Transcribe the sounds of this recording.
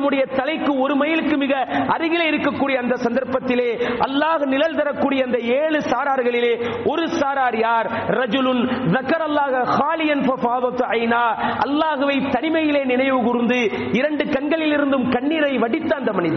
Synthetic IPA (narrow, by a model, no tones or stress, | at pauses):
nɐmɯɽɐjɐt̪ɐlɐɪkːɯɔɾɯmɐjɪlɯkːɯmɪɣɐɐɾɯɣɪlɐɪɾɯkːɐkːuːɽijɐnd̪ɐsɐnd̪ɐɾpːɐt̪ːɪleːʔɐlːaːɣɯnɪlɐlt̪ɐɾɐkːuːɽɪjɐɐnd̪ɐeːɭɯsaːɾaːɾɣɐɭɪleːɔɾɯsaːɾaːɾjaːɾrɐd͡ʒʊlʊnðɐkɐɾɐlːaːɣɐxaːlɪjɐnfɐfaːðɐt̪ɐɪnaːʔɐ̰lːaːɣɯʋɐɪt̪ɐnɪmɐjɪleːnɪɳɐɪʋɯɣʊɾɯnd̪ɯ | ɪɾɐɳɖɯkɐɳɡɐɭɪlɪɾɯnd̪ɯmkɐɳːiːɾɐɪʋɐɽɪt̪ːɐːnd̪ɐmɐnɪðɐ